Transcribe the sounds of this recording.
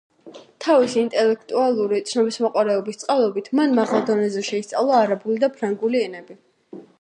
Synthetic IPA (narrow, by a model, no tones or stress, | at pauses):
t̪ʰavisiːnt̪ʼɛlɛkʰt̪ʼualˠuɾit̪sʰnɔbismɔqʼwaɾɛɔbist̪sʼqʼalˠɔbit̪ʰmanmaʁalˠd̪ɔnɛzɛʃɛist̪sʼa̰lˠaːɾabulid̪apʰɾaŋɡuliɛnɛbi